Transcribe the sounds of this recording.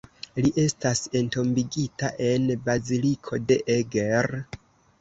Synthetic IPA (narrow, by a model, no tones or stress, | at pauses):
liʔe̞stase̞nto̞mbiɡitaʔe̞nbazilikʰo̞de̞ʔeɡeɾ